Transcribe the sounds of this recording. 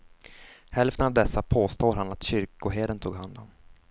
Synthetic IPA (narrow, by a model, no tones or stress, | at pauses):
hɛlft̪ənavd̪ɛsːapʰoːst̪oːɾɦanat̪ɕʏɾkʊɦeːd̪ənt̪ʰuːɡɦand̪ɔm